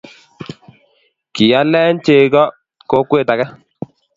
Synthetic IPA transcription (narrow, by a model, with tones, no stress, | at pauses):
ki˨ja˦lɛ˦n˦t͡ʃe˨ɡɔ˦ | ko˦kwe˦˨ta˨ɡɛ˦